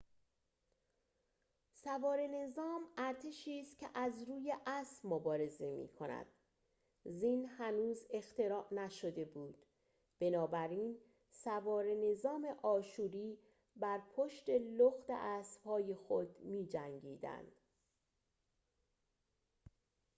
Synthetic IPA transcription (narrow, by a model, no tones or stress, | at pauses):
sævɒːɾe̞ne̞zɒːmæɾt̪ʰe̞ʃiːst̪̚cʰeʔæzɾuːje̞ʔæsmobɒːɾe̞zemḭːkʰonæ̰d̪̥ | ziːnhænuːze̞xt̪e̞ɾɒːʔnæʃo̞d̪e̞buːd̪̥ | b̥e̞nɒːbæɾiːn | sævɒːɾe̞ne̞zɒːme̞ʔɒːʃuːɾiː | bæɾpʰoʃt̪e̞loxt̪ḛʔæːsbhɒːjexod̪miːd͡ʒæŋɟiːd̪æ̰nd̪̥